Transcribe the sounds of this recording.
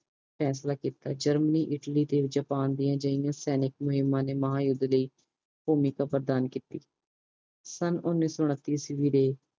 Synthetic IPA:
pʰɛːslaːkiːt̪aːd͡ʒəɾməniːʔɪʈliːt̪eːd͡ʒəpaːnd̪ɪjãːd͡ʒəɪjãːsɛːnɪk̚mʊɦɪmːãːneːməɦaːjʊd̪ləiː | poːmiːkaːpəɾd̪aːnkiːt̪iː | sənʊnːiːsɔːʊñət̪ːiːsʋiːɾeː

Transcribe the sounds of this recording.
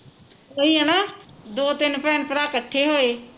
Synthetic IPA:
soiːɦɛnaːd̪oːt̪ɪnpɛːnpɾaːkəʈʰːeɦoːeː

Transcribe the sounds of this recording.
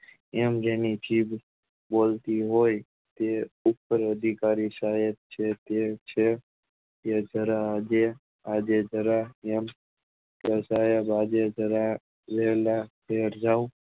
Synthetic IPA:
emd͡ʒenit͡ʃib | bolt̪iɦoj | t̪eupːəɾəd̪ʱikaɾisajət̪̚t͡ʃʰet̪et͡ʃʰe | ed͡ʒəɾad͡ʒe | ad͡ʒed͡ʒəɾaem | kəsajəbad͡ʒed͡ʒəɾa | ʋelapʰeɾd͡ʒau

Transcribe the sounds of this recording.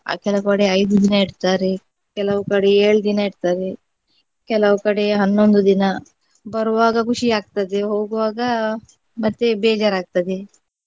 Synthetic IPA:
kɛlɐwukɐɽeɐjd̪ud̪inɐiɽt̪aːɾe | kɛlɐʋukɐɽeeːɭud̪inɐiɽt̪aːɾe | kɛlɐʋukɐɽe̞ɦɐnːond̪ud̪inɐ | bɐɾuʋaːɡɐkuʂiaːɡ̚t̪ɐd̪eɦoːɡuʋaːɡɐ | mɐt̪ːebɛːd͡ʒaɾaːɡ̚t̪ɐd̪e

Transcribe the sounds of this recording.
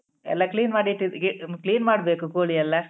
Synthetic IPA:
ɛ̰lːɐkliːnmaːɽiʈːid̪ikliːnmaːɽbeːkukoːɭiɐlːɐ

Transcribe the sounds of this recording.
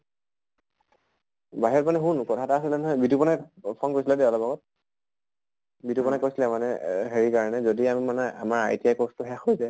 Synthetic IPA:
baɦiɔmanɛɦunkɔtʰataasilɛnɔɦɔjbitupɔnapʰɔnkoɹjsilɛdɛɔlɔpaɡɔt̚ | bitupɔnakojsilɛmanɛɦeɹikaɹɔnɛzodiammanɛa̰maɹa̰jtiakɔstʊɦɛaxojzɛ

